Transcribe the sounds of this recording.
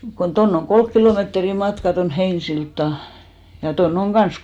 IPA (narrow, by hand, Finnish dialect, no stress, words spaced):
kon tonː oŋ kolk kiloˑmeːtri mɑtkɑ ton heinsiltːɑˑ jɑ tonː oŋ ɡ̊ɑns